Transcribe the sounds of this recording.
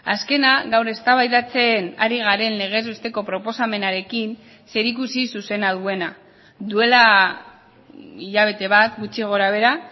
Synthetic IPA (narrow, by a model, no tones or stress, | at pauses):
aske̞naɣawɾe̞st̪aβajðat͡se̞naɾiɣ̞aɾe̞nle̞ɣ̞e̞zβest̪e̞ko̞pɾo̞po̞same̞naɾe̞kin | se̞ɾikusisuse̞naðue̞na | d̪ue̞la | iʎaβ̞e̞t̪e̞βat̪ɡut͡ʃiɣ̞o̞ɾaβ̞e̞ɾa